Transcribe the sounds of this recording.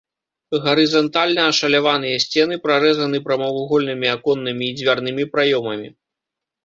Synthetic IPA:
ɣɐɾɨzɐnt̪alʲnɐːʂɐlʲavanɨjɐsʲt͡sʲɛnɨpɾaɾɛzɐnɨpɾɐmɐvuɣɔlʲnɨmʲiakɔnːɨmʲiːd͡zʲvʲarnɨmʲipɾajɔmɐmʲḭ

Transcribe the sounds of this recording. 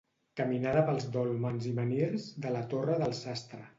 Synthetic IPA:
kəminaðəpəlˠzd̪olˠmanzimənelzðələt̪orəðəlˠsast̪ɾə

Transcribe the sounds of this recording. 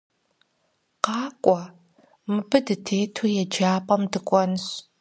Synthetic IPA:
qɑːkʷʼɔ | mɨbɨdɨtʰeːtʰujɛd͡ʒaːpʼɐmdɨkʷʼɔnɨɕ

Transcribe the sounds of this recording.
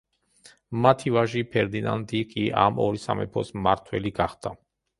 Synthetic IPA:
mat̪ʰivaʒipʰɛɾd̪inand̪ikʼiʔa̰mɔɾisa̰mɛ̰pʰɔsmaɾt̪ʰwɛliɡaχd̪̥a

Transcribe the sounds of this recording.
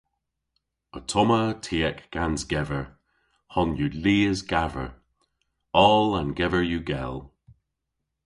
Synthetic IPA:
ətʰɔmətʰiːɛkɡ̥anzɡɛvəɹ | hɔnjuliːəzɡavə̰ɹ | ɔlə̃nɡɛvə˞juɡɛlˠ

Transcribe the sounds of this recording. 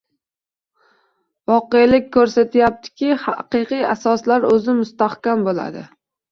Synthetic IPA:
vɒqejlɪk̚ʲkʰːɵɾsat̪ʰjap̚t̪ʰɪ̥kʲɪhaqɨqɨjasɒslaɾɵzɪmʊst̪ahkʲambola̰d̪ɪ̰

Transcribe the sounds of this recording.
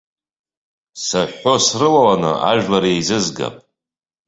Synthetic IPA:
saħo̞srɨlawanɨ̰ʔa̰ʒᶣlaɾiejzɨzɡa̰pʼ

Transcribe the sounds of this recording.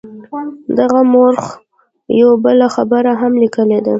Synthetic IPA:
d̪aɣamoɾx | jawbəlaxabəɾaɦamlikəled̪a̰

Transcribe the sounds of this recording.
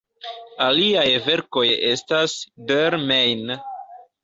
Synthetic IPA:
aliajve̞ɾko̞je̞stasdeɾmejn

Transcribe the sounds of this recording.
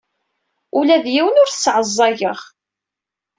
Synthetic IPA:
ulæðjiwənʊɾθsːʕəzˤːɑjəʁ

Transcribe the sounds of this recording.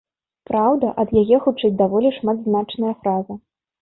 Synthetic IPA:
pɾawd̪ɐʔɐd̪jajɛxut͡ʂɛjt͡sʲd̪avɔlʲiʂmad̪znat͡ʂnɐjɐfɾazɐ

